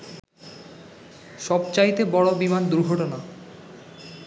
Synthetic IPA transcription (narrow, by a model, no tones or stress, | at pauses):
ʃɔbt͡ɕajt̪ebɔɽobimand̪uɾɡʱɔʈona